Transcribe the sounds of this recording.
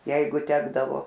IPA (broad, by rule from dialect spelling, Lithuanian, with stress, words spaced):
ˈjɛɪɡʊ ˈtʲæːɡdɐʋoː